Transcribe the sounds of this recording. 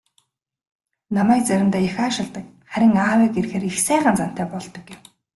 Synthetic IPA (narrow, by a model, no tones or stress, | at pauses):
namæːk̚t͡sæɾʲɪ̆nt̪æːjaxaːʃɪ̆ɮt̪ə̆k̚ | χæɾʲɪ̆ŋaːweːkerxeːɾixsæːʁə̆nt͡san̥t̪æːpɔɮt̪ɞ̆kːɪw